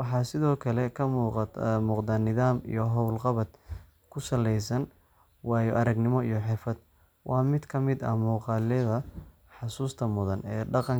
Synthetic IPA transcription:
wɑħɑːsɪðɔːkʰɐlɛkʰɐmuːq̪muːqd̪aːnɪðaːmḭjɞɦɔwlqɑβɐd̪ | kʰʊsɐlɛjsɐn | wɑːjɔʔɐɾɐɡnɪmɔijɞħɪfɐd̪̚ | wʔɑːmɪd̪kʰɐmɪd̪ɐ̰muːqɑːlɛðɐ | ħɑsuːst̪ʰɐmʊðɐnɛːɖɑqɑ

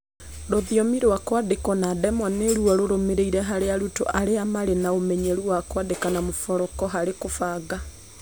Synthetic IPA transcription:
ɾoðiɔmiɾowakwadekɔnadɛmwaneɾuɔɾoɾomeɾeiɾɛɦaɾeaɾuto̰ʔaɾeamaɾenaomɛɲeɾuwakwadekanamofɔɾɔkɔɦaɾekofaɡa

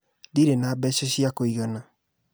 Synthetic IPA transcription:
ðiɾenaːbɛɕɛɕiakoiɣana

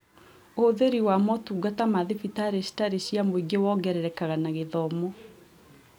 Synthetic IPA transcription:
oðeɾiwamɔtuːɡatamaðefitaɾesi̥taɾeɕiamoiɡewɔɡɛɾɛɾɛkaɣanaɣeðɔmɔ

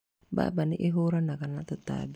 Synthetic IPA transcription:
ba̰baniʔeɦuɾanakanaʔt̪ut̪a̰b

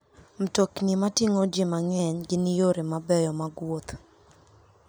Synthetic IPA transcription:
m̩toknimatiŋod͡ʒɪmaŋɛɲɡɪnɪjoɾemabɛjɔmaɡwot̪

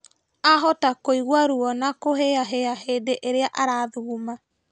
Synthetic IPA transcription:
aɦɔtakoiɣwaɾuɔnakoɦeaɦeahedeʔeɾeaʔaɾaðuːma

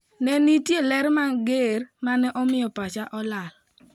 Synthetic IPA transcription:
nɛnitjelɛɾmaɡeɾmanɛʔɔmɪjɔpat͡ʃaʔɔlal

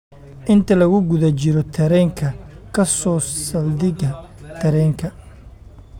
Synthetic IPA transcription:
ʔɪnt̪ʰɐlɐɣʊɡʊðɐt͡ʃɪɾɔt̪ʰɐɾɛːŋkʰɐkʰɐsɔːsɐld̪ɪɣɐt̪ʰɐɾɛːŋkʰɐ

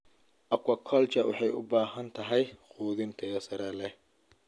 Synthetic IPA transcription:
ʔɐkwɐkʰɔlt͡ʃɐwɑ̰ħɑjʔʊ̰baːɦɐnt̪ʰɐɦɛjquːðɪnt̪ʰɛjɐsɐɾɛlɛ

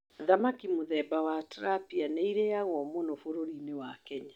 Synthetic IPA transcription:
ðamakimoðɛbawatɾapianeiɾejaɣwɔmonofoɾoɾinewakɛɲa

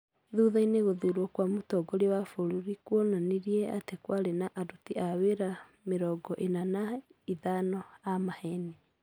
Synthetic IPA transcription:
ðuðaineɣoðuɾwɔkwamotɔɡɔɾewafoɾuɾikwɔnaneɾiɛatekwaɾenaʔadutiaweɾa | meɾɔɡɔʔenanaiðanɔamahɛne

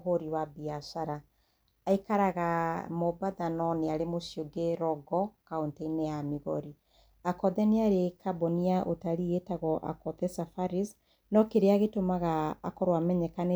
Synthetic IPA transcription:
ɦoɾiwabiasaɾaː | ikaɾaɣamobaðanɔneaɾemosioɡeɾɔɡɔkaontainejamiɣɔɾi | akɔðɛneaɾekabɔniaʔotaɾietaɣɔʔa̰kɔðɛsafaɾis | nɔkeɾeaɣetomaɣa̰ːkɔɾwamɛɲɛkane

